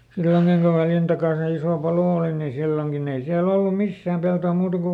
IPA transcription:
silːoŋkiŋ ku ʋæljæn tɑkɑˑn̞ se isoˑ pɑloˑ oˑli ni silːoŋkin ei siæl olːu misːæːm peltoˑ muːtɑ ku

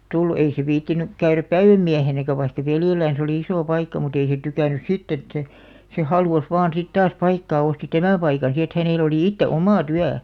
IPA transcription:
tulːu ei se ʋiːtːinyk kæyræp pæiʋæmːiæhenækæ ʋɑikːɑ ʋeljelːæːn̞s oli isoˑ pɑikːɑ mut ei se tykæˑnːys sitː et se se hɑluˑs ʋɑːn sit tɑːs pɑikːɑː osti tæmæˑ pɑikɑn si et hæneˑl oliˑ itːe omɑˑ tyæ

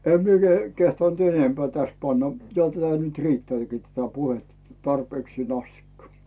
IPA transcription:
em mie keh kehtɑnt enempĕæˑ tæs pɑnːɑ jo tætæ nyt riːtːeæˑkiː tætæ puhetːɑ tɑrpeːksiːn ɑstikːɑ

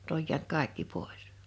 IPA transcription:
n̆y̆t oj jiænt kɑˑe̝kːi poˑis

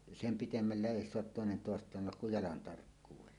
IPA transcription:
sem pitemːælːe ʔeˑi soɑt toˑenen toˑestˑɑːn tulːɑk kuj jɑlɑn tɑrkːuːwelːɑ

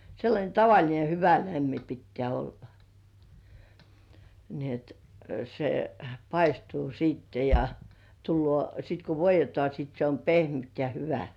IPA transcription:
seilːɑnʲe tɑʋɑlʲine hyʋæ læmːi pitːĕæˑ olːɑ ni et se pɑistuː siˑtːe jɑ tulːŭoˑ sit ku ʋoijˑetŏɑˑ sit se om pehmyt jɑ hyʋæ

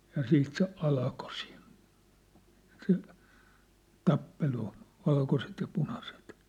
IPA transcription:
jɑ siːt se ɑlko siːn se tɑpːelu ʋɑlkoset jɑ punɑset

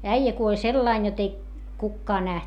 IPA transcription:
æijæ kuolʲ selːɑin jot ei kukːɑː næht

